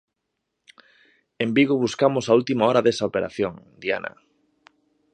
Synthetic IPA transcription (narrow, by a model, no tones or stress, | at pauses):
embiɣʊβuskamʊsault̪imaɔɾaðesaopeɾa̰θjoŋd̪ia̰nɐ̰